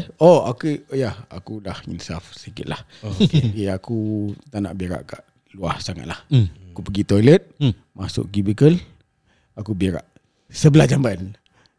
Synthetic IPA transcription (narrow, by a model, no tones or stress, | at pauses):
oa̰kəjaha̰kulahḭnsafsəkɪ̰t̪̚lahkiakut̪ana̰ʔbiɾa̰ʔkaʔ | luahsaŋa̰t̪lahkupəɡit̪oilət̪̚ | masʊ̰ʔ̚ɡibikəl | akubiɾa̰ʔ | səbəlahd͡ʒambn